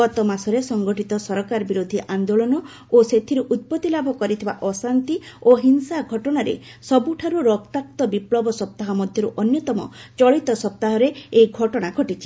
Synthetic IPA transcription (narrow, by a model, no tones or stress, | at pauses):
ɡɔt̪ɔmasɔɾesɔŋɡɔʈit̪ɔsɔɾɔkaɾɔbiɾod̪ʱiʔand̪oɭɔnɔ | oset̪ʰiɾeʔut̪̚pɔt̪ilabʱɔkɔɾit̪ʰiba̰ʔɔsant̪ioɦinsaɡʱɔʈɔɽ̃aɾḛsɔbuʈʰaɾuɾɔkt̪ak̚t̪ɔbiplɔbɔsɔp̚t̪aɦɔmɔd̪ʱjɔɾuʔɔnjɔt̪ɔmɔ̰t͡ʃɔɭit̪ɔsɔp̚t̪aɦɔɾeejɡʱɔʈɔɽ̃aɡʱɔʈit͡ʃʰi̥